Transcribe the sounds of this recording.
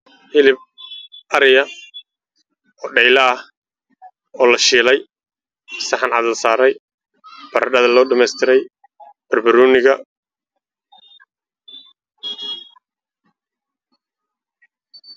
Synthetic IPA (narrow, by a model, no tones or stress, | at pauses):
ʔɪlɪb̚ʔɐɾɪjɐ | ɔːɖɛjlɐːh | ɔːlɐʃiːlɛj | sɐħɑnʕɑðɐlsaːɾɛj | b̥ɐɾɐɖɐðɐlɔːɖɪmɛjst̪ʰɪɾɛj | b̥ɐrbɐɾuːnɪɣɐ